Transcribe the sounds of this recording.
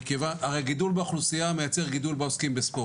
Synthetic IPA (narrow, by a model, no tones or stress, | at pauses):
kevanaʁejɡidulbeaχlusijame̞jat͡se̞ʁɡidulbeoskimbespo